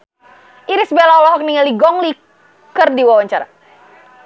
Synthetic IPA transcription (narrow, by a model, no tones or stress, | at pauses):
ʔiɾisbɛlaɔlɔɦɔk̚niŋəliɡɔŋli | kərdiwawaɲt͡ʃaɾa̰